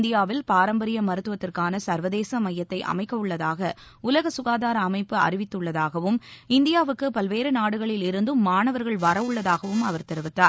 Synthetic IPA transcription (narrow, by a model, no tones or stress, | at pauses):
nd̪ɪjaːʋɪlpaːɾɐmbɐɾɪjɐmɐɾɯt̪ːɯʋɐt̪ːɪrkaːnɐsɐɾʋɐðeːsɐmɐjːɐt̪ːɐɪʔɐ̰mɐɪkːɐʋɯɭːɐðaːɣɐ | ʊlɐɣɐsʊɣaːðaːɾɐːmɐɪpːɯɐ̰rɪʋɪt̪ːɯɭːɐðaːɣɐʋɯmɪnd̪ɪjaːʋɯkːɯpɐlʋeːɾɯnaːɽɯɣɐɭɪlɪɾɯnd̪ɯmːaːnɐʋɐɾɣɐɭʋɐɾɐʋɯɭːɐðaːɣɐʋɯmɐʋɐɾt̪ɛɾɯʋɪt̪ːaːɾ